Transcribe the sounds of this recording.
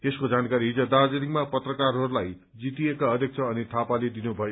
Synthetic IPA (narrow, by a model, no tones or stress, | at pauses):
t̪eskod͡zankaɾiɦid͡zʌd̪ad͡zeɾiŋmapʌt̪rʌkarɦʌɾulaj | d͡zit̪iekaʌd̪ʱjek̚t͡sʰʌːnit̪ʰapaled̪inubʱʌjo